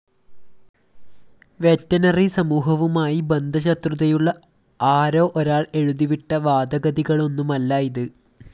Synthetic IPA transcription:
ʋetːɐnɐrisɐmuːɦɐʋumaːjibend̪ʱɐɕɐt̪ruðɐjuɭːɐ | aːɾo̞ːʔoɾaːɭe̞ɻuðiʋiʈːɐʋaːd̪ɐɣɐðiɣɐɭo̞nːumɐlːaːjiðɨ

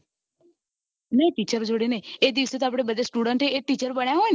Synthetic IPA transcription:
nəĩʈiːt͡ʃəɾd͡ʒoːɽeneeːd̪iʋəset̪oaːp̬ɽ̃ebəd̪esʈuːɽəɳʈɦeeːʈiːt͡ʃəɾbəɳ̃jaɦoen

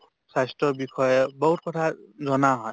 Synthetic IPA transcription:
sastɔbikʰɔjɛbɔɦut̚kɔtʰazɔnaɦɔj

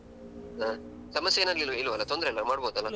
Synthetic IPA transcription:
ɦa | sɐmɐsːjeːnɐlililʋɐlːɐt̪ond̪ɾelːɐmaːɽboːd̪ɐlːɐ

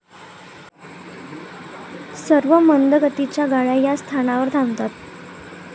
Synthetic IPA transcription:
səɾʋəmənd̪əɡət̪it͡ɕjaɡaɭajast̪ʰanaʋəɾd̪ʱãmt̪at̪

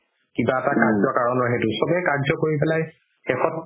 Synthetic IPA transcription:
kibaɛtakaɹzɔkaɹɔnɔɹɦetusɔbɛkaɹzɔkoɹip̬ɛlaj | xɛxɔt̚

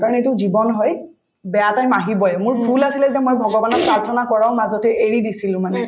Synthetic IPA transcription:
kaɹɔnetʊzibɔnɦɔj | bɛjatajmaɦibɔɛmʊɹbʱulasilɛzɛmojbʱɔɡɔbanɔt̚pɹaɹtʰɔnakɔɹaʊmazɔtɛʔeɹidisilʊ̃manɛ

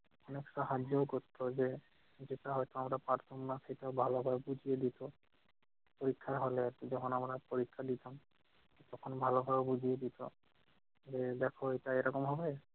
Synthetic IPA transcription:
ɔneksaɦad͡ʒɔɡot̪ːɔzɛ | zitaɦɔjtɔamɾapaɾt̪ʰɔmnasejtaʊbʱalɔbʱajbud͡ʒʱiedit̪ɔ | poɹikʰːaɹɦolɛatzɔkʰɔnamɹapoɹikʰːadit̪am | t̪ɔkʰɔnbʱalɔbʱabbuzʱijed̪it̪ɔ | zɛdɛkʰɔejtaejɾɔkɔmɦɔbɔjɛ

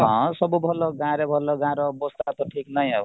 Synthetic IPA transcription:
ɦʌ̃sʌbubʱɔloɡãɾebʱɔlːoɡãɾobost̪at̪oʈʰiknʌjaw

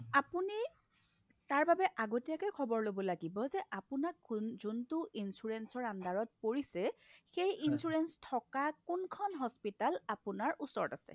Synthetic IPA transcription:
apuni | taɹbabɛʔaɡotijakɛkʰɔbɔɹlobɔlaɡibɔzɛʔapʊnakzuntʊʔinsuɹɛnsɔɹandaɹɔt̚poɹisɛxejinsuɹɛnstʰɔkakunkʰɔnɦɔspitalapʊnaɹʔusɔɹɔtasɛ̰

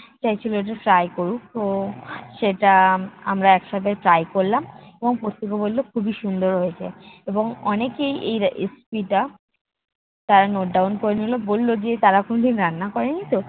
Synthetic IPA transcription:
t͡ɕajt͡ɕʰiloeʈ̬aʈɾajkoɾuk̚t̪oʃeʈaa̰mɾaɛkʃab̪ʱeʈɾajkoɾlameboŋpost̪ikobolːokʰubiʃund̪oɾɦojet͡ɕʰḛeboŋɔnekejʔejespiʈa | t̪aɾanoɖawnkoɾenolobolːod͡ʑet̪aɾakonoʈiɾanːakɔɾenit̪o

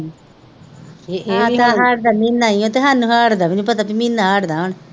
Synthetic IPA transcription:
ãaɦaːɽd̪aːminaːiõːt̪eɦaːnːũːɦaːɽd̪aːbinĩːpət̪aːbimĩnːaːɦaːɽd̪aːon

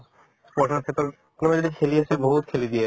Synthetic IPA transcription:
spɔɾʃaɾkʰet̪ːo | knomad͡ʑoɾikʰeliaʃʰeboɦut̪kʰelid̪ije

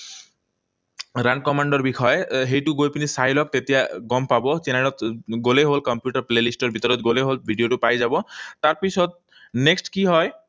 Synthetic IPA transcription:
ɾankɔmaɳɖɔɾbikʰɔjeɦejʈuɡojpinisajlɔk̚t̪et̪ijaɡɔmpabɔt͡ʃenaɽ̃ɔt̪ɡoleɦolkɔmpjuʈɔɾplelisʈɔɾbʱit̪ɔɾɔt̪ɡoleɦolbʱiɖioʈupajd͡ʒabɔt̪aɾpisɔd̪̚ | neksʈkiɦɔj

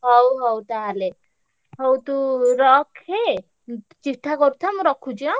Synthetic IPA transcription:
ɦɔwɦɔwt̪ale | ɦowt̪uɾɔkʰe | t͡ʃiʈʰːakoɾt̪ʰamɾɔkʰud͡ʒiɔ

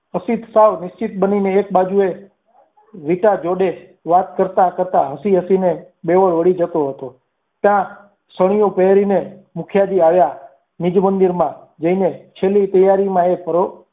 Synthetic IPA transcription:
əsit̪saʋnɪst͡ʃɪt̪̚bənineːk̚bad͡ʒue | ʋiʈad͡ʒoɖe | ʋat̪kəɾt̪akəɾt̪aɦəsiɦəsine | beʋəɭʋəɽid͡ʒət̪oɦət̪o | t̪jã | səɽ̃ijõpəɾinemʊkʰjad͡ʒ̪iaʋja | nid͡ʒmənd̪iɾmã | d͡ʒəinet͡ʃʰelit̪əjaɾimãepʰəɾo

